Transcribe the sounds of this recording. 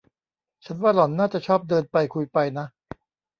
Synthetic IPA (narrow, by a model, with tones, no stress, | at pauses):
t͡ɕʰa˦˥nwaː˥˩lɔ˩˦nːaː˥˩t͡ɕa˨˩t͡ɕʰɔː˥˩p̚dɤː˧npa˧jkʰu˧jpa˧jna˦˥ʔ